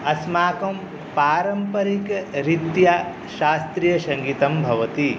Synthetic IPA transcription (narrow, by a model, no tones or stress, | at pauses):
ɐsmaːkɐm | paːɾɐmpɐɾikɾit̪ja | ʃaːst̪ɾijɐʃɐŋɡiːt̪ɐmbʱɐʋɐt̪i